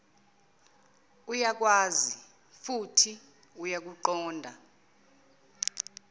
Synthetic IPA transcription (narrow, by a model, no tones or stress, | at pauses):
ujak̬waːzi | futʰi | ujak̬uǃɔːndʱa